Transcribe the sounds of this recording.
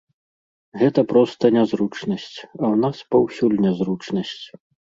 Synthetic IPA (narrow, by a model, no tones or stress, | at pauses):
ɣɛt̪ɐpɾɔst̪ɐnʲazɾut͡ʂnɐsʲt͡sʲɐwnaspawsʲulʲnʲɛzɾut͡ʂnɐsʲt͡sʲ